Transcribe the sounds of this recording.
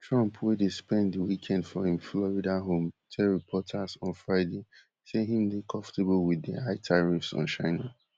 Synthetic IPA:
tʰɹãmpʰwedespɛ̃ndəwikʰɛ̃ndfɔhĩmflɔɹidaɦõmtʰɛɹipʰɔtʰazɔ̃nfɹaɪde | seɦĩmdekʰɔ̃ɱfteblwiðḭaɪtʰaɹifsɔ̰̃n̩ʃaɪna

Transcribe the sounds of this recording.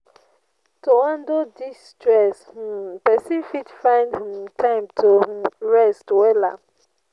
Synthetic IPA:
toãndodistɹɛsh̩pɛsifidfãɪ̃ndhĩmtʰãɪ̃mtʰoɹɛstwɛla̰

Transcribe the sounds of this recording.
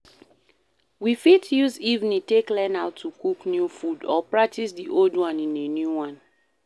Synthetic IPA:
wifitjuzivniteklɛ̃naʊtʰːukuknjufudɔpɹak̚tisdiʔoldwãnĩnenjuwãn

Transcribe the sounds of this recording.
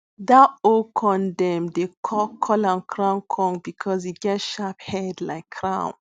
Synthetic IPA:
datokʰɔ̃ndɛ̃mdekʰɔkʰɔlãnkʰɹãnkʰɔ̃ŋbikʰɔsiɡɛtʃaphɛdlaɪkʰːɹãʊ̃n

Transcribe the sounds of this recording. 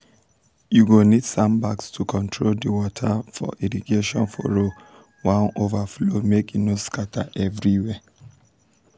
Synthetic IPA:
juɡonidsãmbakstʰukʰɔ̃ntʰɹoldəwɔtʰafɔ̰ʔiɹiɡeʃɔ̰̃nfɔ̰ɹo | wãnovaflomekinoskatʰa̰ʔɛvɹiwɛ

